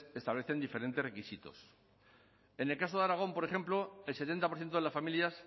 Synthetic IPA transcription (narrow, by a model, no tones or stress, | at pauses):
e̞st̪aβle̞θe̞nd̪ife̞ɾe̞nt̪e̞sre̞kisit̪o̞̰s | e̞ne̞lkaso̞ðaɾaɣ̞o̞mpo̞ɾe̞xe̞mplo̞else̞t̪e̞nt̪apoɾθjet̪oelasfamiljas